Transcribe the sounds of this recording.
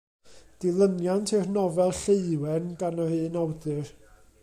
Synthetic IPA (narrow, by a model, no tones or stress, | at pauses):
d̥ɪlˠənjantʰɪrnɔvɛlˠɬeɨwɛnɡanɔhɨːnɔwdɨr